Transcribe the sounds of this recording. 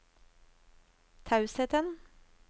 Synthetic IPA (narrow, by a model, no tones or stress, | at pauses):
t̪ʰɑʉsɛt̪ən